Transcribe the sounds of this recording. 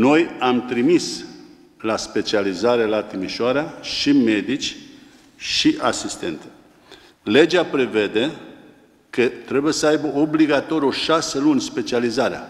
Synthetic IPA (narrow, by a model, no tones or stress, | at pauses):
no̞jamt̪ɾimis | laspe̞t͡ʃializaɾe̞lat̪imiʃoaɾeaʃime̞d̪it͡ʃʲ | ʃiʔasist̪e̞̰nt̪ə̥ | le̞d͡ʒapɾe̞ve̞d̪e̞ | kət̪ɾe̞buje̞səajbəʔo̞bliɡat̪o̞ɾʲoʃaselunʲspe̞t͡ʃializaɾea̰